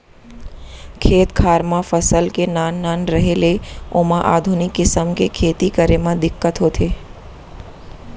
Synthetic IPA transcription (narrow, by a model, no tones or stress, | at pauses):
kʰeːt̪kʰaːɾmãfəsəlkenaːnːaːnɾəɦeleoːmãʔaːd̪ʱʊnɪkːɪsəmkekʰeːt̪ikəɾemãd̪ɪkːət̪ɦoːt̪ʰeː